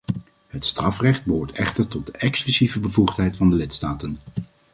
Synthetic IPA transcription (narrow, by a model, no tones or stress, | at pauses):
ɦətstrɑfrɛχd̚bəɦoːɹtɛχtəɹtɔt̚dəʔɛksklyzivəbəvuχtɦɛjtfɑndəlɪtstaːtən